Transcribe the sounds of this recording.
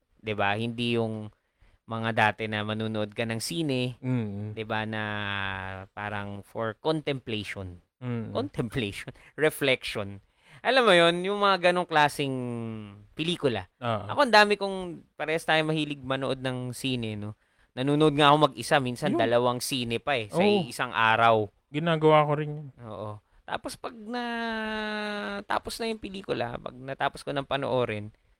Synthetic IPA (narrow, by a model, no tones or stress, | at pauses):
d̪ɪbahɪnd̪ijʊŋ | mɐŋad̪aːt̪ɛnɐmɐnuːnoʔod̪̚kɐnɐŋsiːnɛ | d̪ɪbanɐ | paːɾɐŋfoɹkont̪ɛmplɛjʃon | kont̪ɛmplɛjʃon | ɹɛflɛkʃon | ʔɐlamːojo̞njʊŋmɐŋaɡɐno̞ŋklaːsɪŋ | pɛliːkʊlɐoːʔʔɐ̰ko̞ʔɐnd̪aːmɪkʊŋpɐɾɛːhɐst̪aːjomɐhiːlɪɡ̚mɐnoʔo̞d̪̚nɐŋsiːnɛno̞ | nɐnuːnoʔod̪̚ŋaʔɐko̞mɐɡɪsamiːnsɐnd̪ɐlɐwaŋsiːnɛpɐɛʔsɐʔɪsaŋʔa̰ːɾɐw | ɡɪnaːɡɐwaːkoɾɪnjʊnʔoːʔo | t̪a̰ːpospɐɡ̚nɐ | t̪a̰ːposnɐjʊŋpɪliːkʊlɐ̰pɐ̰ɡ̚nɐt̪aːposkonɐŋpɐno̰ʔoːɾɪn